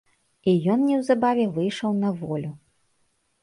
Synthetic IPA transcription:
ijɔnnʲɛwzabavʲɛvɨjʂɐwnɐvɔlʲu

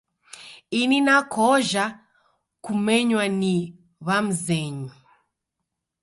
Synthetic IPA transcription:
ininakʰɔʒa | kumɛɲwani | βam̩zɛɲi

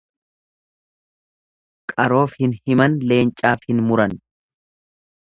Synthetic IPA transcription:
kʼɐɾo̞ːfhɪnhɪmɐnle̞ːnt͡ʃʼːaːfhɪnmʊɾɐn

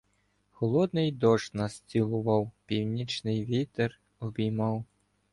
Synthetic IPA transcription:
xɔlˠɔd̪nɪjd̪ɔʃnɐsʲt͡sʲilˠʊʋɑwpʲiwnʲit͡ʃnɪjʋʲit̪er | ɔbʲijmɑw

